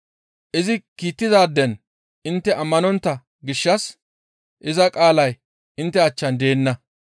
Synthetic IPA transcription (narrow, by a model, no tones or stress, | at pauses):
ʔɪzɪkiːt̪ːɪd̪aːd̪ːɛn | ʔɪnt̪ːɛʔɐmːɐnɔnt̪ːɐ | ɡɪʃːɐs | ʔɪzɐkʼaːlɐj | ʔɪnt̪ːɛɐt͡ʃːɐnd̪e̞ːnːɐ